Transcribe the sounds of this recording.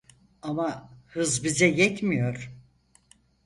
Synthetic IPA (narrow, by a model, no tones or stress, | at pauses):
amahɯzbizɛjɛt̪mijo̞ɾ̥